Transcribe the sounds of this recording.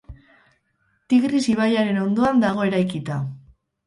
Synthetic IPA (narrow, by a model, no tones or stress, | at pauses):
t̪iɣrisiβ̞ajaɾe̞no̞nd̪o̞and̪aɣ̞o̞e̞ɾajkit̪a